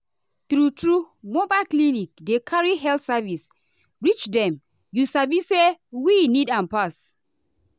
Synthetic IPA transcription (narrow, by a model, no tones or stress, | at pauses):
θɹutɹu | mobaɪklinik̚dekʰaɹiɦɛltsavis | ɹit͡ʃdɛ̃m | jusavisewinidãnpas